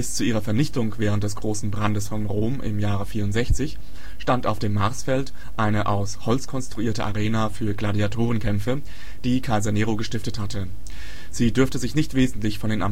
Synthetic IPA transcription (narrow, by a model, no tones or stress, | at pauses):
b̥ɪst͡suʔiːʁɐfɛɐnɪçtʊŋv̥ɛːʁ̞əntd̥ɛsɡ̥ʁoːsn̩bʁandəsfɔnʁoːmʔɪ̰mjaːʁəfiːɐʊntz̥ɛçt͡sɪç | ʃtantaʊfd̥eːmːaɐsfɛlt | ʔaɪnəʔaʊshɔlt͡skʰɔnstʁ̥uiːɐtəʔaʁeːnafyːɐɡladiatʰoːʁ̞ənkʰɛmfə | d̥iːkʰaɪzaneːʁoɡəʃtɪftəthatʰə | z̥iːdʏɐftəzɪçnɪçtv̥eːzn̩tlɪçfɔndeːnʔa